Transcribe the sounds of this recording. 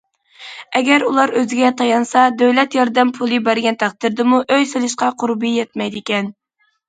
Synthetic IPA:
ɛɡʲɛɾulˠɑɾøzɪɡʲɛt̪ʰɑjɑnsɑd̪øwlɛt̪jɑɾd̪ɛmpʰulˠɨbæɾɡʲɛnt̪ʰæχt̪ɨɾd̪ɨmuʔøjsɨlˠɨʃqɑqʰʊɾbɨjɛt̪̚mɛjd̪ɪkʲɛn

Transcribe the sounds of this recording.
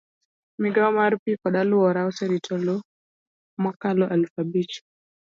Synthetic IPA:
miɡaɔmaɾpikɔɗaluɔɾausɛɾitʰɔlɔ | mɔkalɔʔalfabit͡ʃi̥

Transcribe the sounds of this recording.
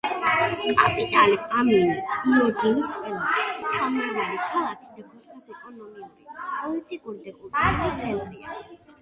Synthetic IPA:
kʼapʼit̪ʼalipʼaminiiɔɡinisqʼwɛlˠasist̪sʰamaɾvalikʰalˠakʰid̪aɡut̪ʼɔsɛt̪ʼanɔmɛnɾɛpʼɔlit̪ʼikʼuɾid̪ɛkʼut̪ʼauɾit̪sʰɛnt̪ʼɾia̰

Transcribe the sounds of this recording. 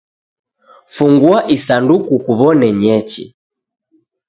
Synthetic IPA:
fuŋɡwaʔisandukukuβɔnɛɲɛt͡ʃḭ

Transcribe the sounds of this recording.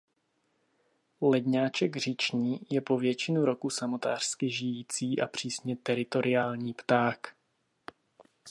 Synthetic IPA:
lɛdɲaːt͡ʃɛɡr̝ɪt͡ʃɲiːjɛpo̞vjɛt͡ʃɪnuɾo̞kusamo̞t̪aːr̥skɪʒɪjiːt͡siːʔa̰pr̝̥iːsɲɛt̪ɛɾɪt̪o̞ɾʔɪaːlɲiːpt̪aːk

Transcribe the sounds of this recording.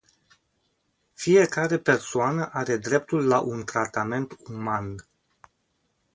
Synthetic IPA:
fije̞kaɾe̞pe̞rsoanəʔaɾe̞d̪ɾe̞pt̪ulːaʔunt̪ɾat̪ame̞nt̪uman

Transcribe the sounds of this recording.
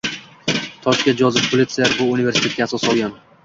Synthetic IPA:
t̪ʰɒʃkʲend͡ʒɒzɪpʰolʲit̪sɨaɾbʊʊnive̞ɾsɪ̥t̪ʰe̞t̪̚ʲaːsɒsɒlˠɡʲan

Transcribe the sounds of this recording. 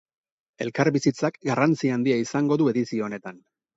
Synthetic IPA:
e̞̰lkaɾβisit͡sakɡarant͡siand̪iaisaŋɡo̞ðue̞ðisio̞ːne̞t̪an

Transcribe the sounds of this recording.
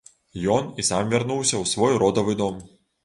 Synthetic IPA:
jɔnisamvʲarnuwsʲɐwsvɔjɾɔd̪ɐvɨd̪ɔm

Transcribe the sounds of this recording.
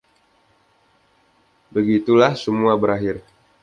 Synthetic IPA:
bəɡit̪ulahsəmuabəɾaɦɪr

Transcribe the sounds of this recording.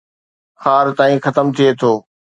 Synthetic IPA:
xaːɾt̪aːĩxɐt̪əmt̪ʰiet̪ʰoː

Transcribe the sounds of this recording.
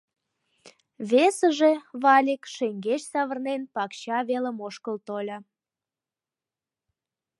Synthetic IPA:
βesəʒeβɑlʲikʃeŋɡet͡ɕsɑβərnenpɑkɕɑβelə̆moʃkəlt̪olʲɑ

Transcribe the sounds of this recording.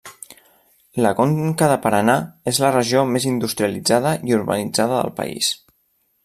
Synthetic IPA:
ləkoŋkəðəpəɾənaezlərəʒomezind̪ust̪ɾiəlid͡zaðəʔiuɾβə̰nid͡zaðəðə̰lˠpə̰ḭs

